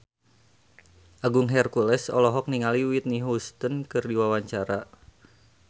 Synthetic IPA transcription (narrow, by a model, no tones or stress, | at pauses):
ʔaɡʊŋɦɛrkulɛsɔ̰lɔɦɔk̚niŋaliwit̪̚niɦust̪ənkɨrdiwawaɲt͡ʃaɾa